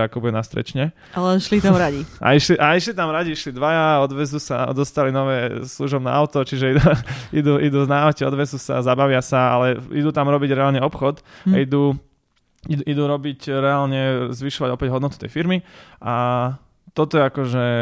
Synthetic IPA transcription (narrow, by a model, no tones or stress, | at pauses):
akɔbuɛnast̪ɾɛ̰t͡ʃɲɛ | alɛʃlit̪amɾaɟiʔa̰iʃliʔaiʃlit̪amɾaɟiiʃlid̪ʋajaɔd̪ʋɛzusa̰ɔ̰d̪ɔst̪alinɔʋɛːsluʒɔbna̰ːʊt̪ɔt͡ʃiʒɛiuid̪uʔid̪uːznaawcɛɔd̪ʋɛzusa̰zabaʋɪasaa̰lɛḭd̪uːt̪amɾɔbiɟɾɛaːlɲɛɔpxɔt̪aid̪u | id̪ʔid̪uːɾɔbicɾɛalɲɛzʋiʃɔʋaɟɔpɛɟɦɔd̪nɔt̪u̥t̪ɛ̰jfiɾmiʔa | t̪ɔt̪ɔjɛakɔʒɛ